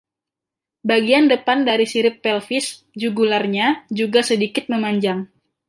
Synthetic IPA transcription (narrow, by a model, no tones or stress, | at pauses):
baɡiandəpandaɾisiɾɪpːɛlfɪs | d͡ʒuɡularɲad͡ʒuɡasədikɪt̪̚məmaɲd͡ʒaŋ